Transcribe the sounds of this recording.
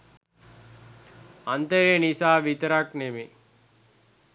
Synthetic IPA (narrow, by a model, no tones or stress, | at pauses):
ant̪əɾenisaːʋit̪əɾakneme